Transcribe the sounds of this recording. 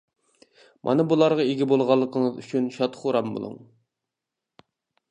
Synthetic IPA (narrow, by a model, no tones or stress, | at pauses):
mʔɑ̰nɨbulˠɑɾʁɑeɡʲibolˠʁɑlˠːəqʰəŋəzy̰t͡ʃʰynʃɑt̪χoɾɑmbo̰lˠṵŋ